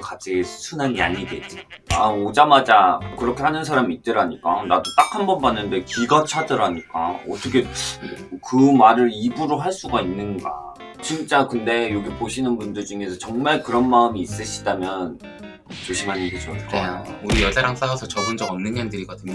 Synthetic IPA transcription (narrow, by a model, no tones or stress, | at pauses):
kat͡ɕ͈ʰiesʰsʰunaɲia̰ɲiɡet͡ɕ͈iaod͡ʑamad͡ʑakɯɾʌkʰe̞hanɯns̬ʰaɾamiːt̚t͈ɯɾaɲik͈anadot͈ak̚hambʌnbanːɯnde̞kiɡʌt͡ɕʰadɯɾaɲik͈a̰ʌt͈ʰʌkʰe̞ | kɯmaɾɯɾibuɾoɦaɭs͈uɡainːɯnɡa̰ | t͡ɕint͡ɕ͈akɯnde̞joɡipoɕʰinɯnbundɯɭd͡ʑuŋe̞sʰʌt͡ɕʌŋmaɭkɯɾʌnmaɯmiːs͈ɯɕʰi̥damjʌn | t͡ɕoɕʰimaɲiɡed͡ʑʌt͡ɕ͈ʰauɾijʌd͡ʑaɾaŋs͈aasʰʌt͡ɕʌɡɯnd͡ʑʌɡʌmnɯnjandɯɾiɡadɯno